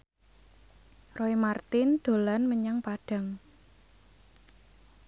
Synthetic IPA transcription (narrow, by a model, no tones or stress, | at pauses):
roimart̪ɪnd̪̥o̤lanməɲaŋpaɖ̥a̤ŋ